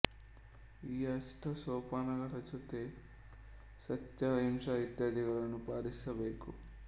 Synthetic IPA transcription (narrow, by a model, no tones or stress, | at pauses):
iːɐsʈʰɐsɔːpaːnɐɡɐʈɐt͡ʃot̪e | sɐt͡ʃːɐʋɐimʂɐʋit̪jaːd̪iɡɐɭɐnupaːɾisɐbeːku